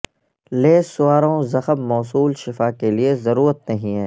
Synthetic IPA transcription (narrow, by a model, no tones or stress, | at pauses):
leːsʊaːɾõzɐxəmmɔːsuːlʃɪfaːkeliezɐɾuːɾət̪̚nɐɦĩɦɛ̃ː